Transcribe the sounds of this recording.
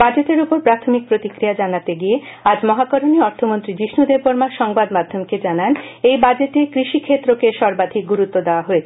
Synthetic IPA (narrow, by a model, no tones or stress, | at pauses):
bad͡ʑeteɾupoɾpɾat̪ʰomik̚pɾot̪ikɾiad͡ʑanat̪eɡiead͡ʑmɔɦakɔɾoniɔɾt̪ʰomont̪ɾid͡ʑiʃnud̪epoɾmaʃɔŋbad̪mad̪ʱːomked͡ʑananejbad͡ʑetekɾiʃikʰet̪ːɾokeʃɔɾbad̪ʱik̚ɡuɾut̪ːod̪eoaɦoe